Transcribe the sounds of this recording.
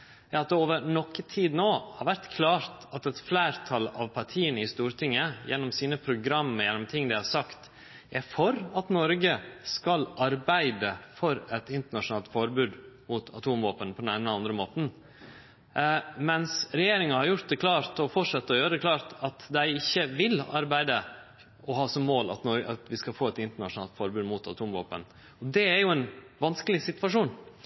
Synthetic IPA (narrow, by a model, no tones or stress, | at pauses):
jɑːɑt̪̚oːʋəɾnɔkːət̪ʰiːd̪noːhɑɾʋæɾt̪kʰlɑːɾt̪ɑt̪ɛt̪flæːɾt̪ʰɑlɑ̰ʋpʰɑɾt̪ʰiːənəɪst̪uːɾt̪ʰɪŋːəjɛ̰nːɔmsiːnəpʰɾʊɡɾɑmːəjɛnːɔmt̪ʰɪŋːd̪æɪhɑɾsɑkt̪ | æfɔɾɑt̪nɔɾɡəskɑlɑɾbæɪd̪əfɔɾɛt̪ɪnt̪əɳɑʂʊnɑːlt̪fɔɾbʉːd̪mʊt̪ʰɑ̰t̪ʰuːmʋoːpənpʰɔd̪ɛnæːnəɑnd̪ɾəmoːt̪n̩ | mɛnsɾɛjeːɾɪŋɑhɑɾjʊɾt̪̚d̪ɛkʰlɑːɾt̪ɔfɔʂɑt̪ːəɔjøːɾəɛklɑːɾt̪ɑt̪d̪æɪɪçːəʋɪlɑɾbæɪd̪ə | ɔɦɑːsɔmːoːlɑ̰t̪nɔɾɑ̰t̪ʋɪskɑlfoːɛt̪ɪnt̪əɳɑʂʊnɑːlt̪fɔɾbʉːd̪mʊt̪ɑt̪ʰuːmʋo̰ːpən | ɔd̪ɛæɾjʊɛn | ʋɑnskəlɪsɪt̪ʋɑʂuːn